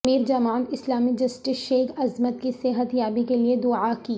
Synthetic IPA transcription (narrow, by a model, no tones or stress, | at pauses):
miːɾd͡ʒɐmaːnɪslaːmid͡ʒɐsʈɪsʃeːkɐzmət̪kiseɦət̪jaːbikelied̪ʊaki